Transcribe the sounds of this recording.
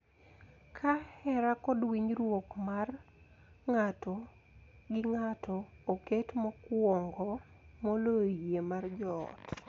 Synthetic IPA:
kʰahɛɾakɔdwiɲɾwokmar | ŋatɔ | ɡɪŋatʰɔː | ketmɔkwɔŋɡɔ | molojemard͡ʒɔ̰t

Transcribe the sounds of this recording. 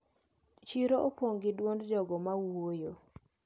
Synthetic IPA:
t͡ʃiɾoʔopwoŋɡɪdwondd͡ʒɔɡɔmawojo

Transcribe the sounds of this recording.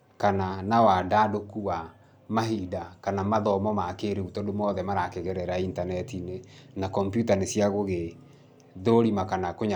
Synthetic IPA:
kananawadadokuwa | maɦidakanamaðɔmɔmakeɾeutɔdomɔðɛmaɾakeɣɛɾɛɾaintanɛtinenakɔmpjutanesjaɣoɣe | ðoɾimakanakoɲ

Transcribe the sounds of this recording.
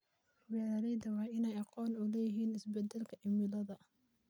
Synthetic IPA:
wɛːɾɐɾɛjðɐwɑːɪnɛjɑqɔːnʊlɛːjɪɦiːnɪsbɛd̪ɛlkʰɐʔɪmɪlɐðɐ

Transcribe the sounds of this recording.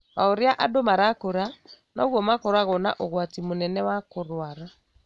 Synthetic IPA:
aoɾjaʔadomaɾakoɾa | nɔɣwɔmakoɾwaɣɔna̰ʔoɣwatimonɛnɛwakoɾwaɾa

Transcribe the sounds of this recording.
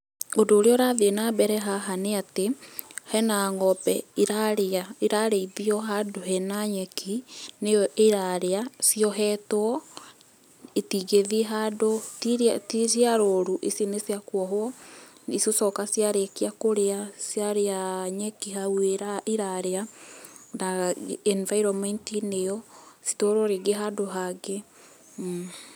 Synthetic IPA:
ondoːɾeɔɾaðenabɛɾɛɦaɦaneatehɛnaŋɔpɛiɾaɾeaeɾaɾeiβiɔɦadoɦɛnaɲɛkʰineeɾaɾeasiɔɦɛtwɔ | etiɣeðiɦadottisiaɾoɾuʔesinesjakwɔɦwɔisosɔkasjaɾekiakoɾeasjaɾeaɲɛkiɦaweɾaiɾaɾea | naɛnvaiɾɔmɛntinejɔsi̥toɾoɾeɡeɦadoɦaɡe

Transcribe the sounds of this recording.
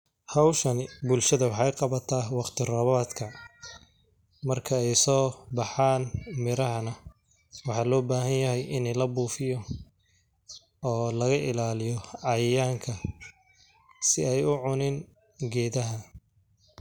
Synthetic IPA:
hɑwʃɐnɪbʊlʃɐðɐwɑħɑjqɑβɐt̪ʰaːwɑqt̪ʰɪrɔːβaːd̪kʰɐ | mɐrkʰɐɛjsɔːbɑħaːnmɪɾɐɦɐnɐ | wɑħɑːlɔːbaːɦɐnjɐɦɛjɪnɛjlɐbuːfɪjɔ | ɔːlɐɣɐʔɪ̰laːlɪjɔʕɑjjaːŋkʰɐ | sɪɛjʊʕʊnɪn | ɡɛːðɐɦɐ

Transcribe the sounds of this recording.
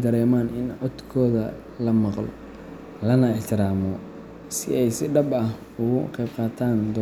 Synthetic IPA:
d̪ɐɾɛːmaːnʔɪnʕɔt̪kʰɔːðɐ | lɐmɑqlɔ̰ | lɐnɐɪħt̪ʰɪɾaːmɔ | sɪ̰ʔɛjsɪɖɐbɐh | ʊɣʊqɛjbqɑːt̪ʰaːnd̪ɔ

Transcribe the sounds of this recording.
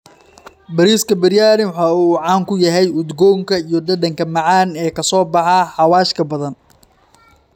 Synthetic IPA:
bɐɾiːskʰɐbɐɾjaːɾɪwħɑːuːʕɑːŋkʰʊjɐɦɛjʊd̪ɡɔːŋkʰɐijɞɖɐɖɐŋkʰɐmɑʕɑːnɛːkʰɐsɔːbɑħɑħɑwaːʃkʰɐbɐðɐn

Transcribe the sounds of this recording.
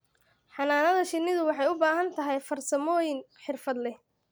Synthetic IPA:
ħɑnaːnɐðɐʃɪnːɪðʊwɑħɑjʊbaːɦɐnt̪ʰɐɦɛjfɐrsɐmɔːjɪn | ħɪrfɐd̪lɛ

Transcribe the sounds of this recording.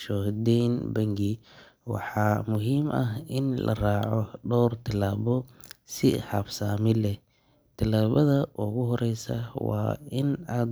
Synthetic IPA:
ʃɔhd̪ɛjnbɐŋɡi | wɑ̰ħɑːmʊɦiːmʔɐɦɪnlʔɐ̰raːʕɔɖɔwrt̪ʰɪlaːβɔ | sɪħɑbsaːmɪlɛ | t̪ʰɪlaːβɐðɐʔʊɣʊɦɔɾɛjsɐ̰wɑ̰ːɪnaːd̪

